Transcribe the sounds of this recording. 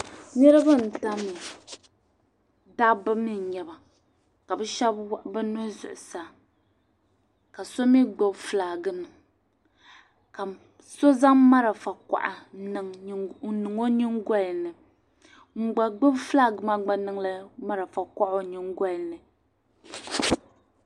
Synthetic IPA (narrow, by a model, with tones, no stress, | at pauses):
nɛ˦ɾɨ˦ba˦˨n̩˨ta˦mi˨ | da˦bɨ˦mi˦n˨ɲɛ˨ba˨ | ka˨bɛ˦ʃɛ˦bbɨ˦nʊ˦zʊ̰˨ʔʊ˨saː˦ | ka˨so˦mi˦ɡ͡bɨ˦bflaː˨ɡɨ˦nɨ˨ | ka˨ | so˦za˦ŋma˦ɾa˨fa˨kʷa̰˨ʔa̰˨˦nɨ˨ŋ˦nɨ˨ŋo˦ɲi˦ŋɡɔ˦˨nɨ˨ | ŋ͡m̩˦˨ɡ͡ba˨ɡ͡bɨ˦bfla˦ɡɨ˨ma˦ɡ͡ba˨nɨ˦ŋla˦ma˦ɾa˨fa˨ka˦ʔo˨ɲi˦ŋɡɔ˦lnɨ˨